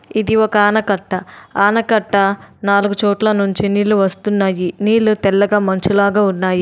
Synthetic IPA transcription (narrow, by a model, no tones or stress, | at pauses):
id̪iɔkɐaːnɐkɐʈːɐaːnɐkɐʈːɐnaːluɡut͡ʃɔːʈlɐnuɲt͡ʃiniːluʋɐst̪unːaːjiniːlut̪ɛlːɐɡaːmɐnt͡ʃulaːɡaːunːaːji